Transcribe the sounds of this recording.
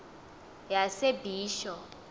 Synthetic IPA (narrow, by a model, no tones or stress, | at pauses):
jasebʱiːʃɔ